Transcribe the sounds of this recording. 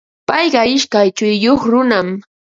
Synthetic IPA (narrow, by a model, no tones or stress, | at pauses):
pɑjɢɑɪʃkajt͡ʃʊjːoχɾʊnam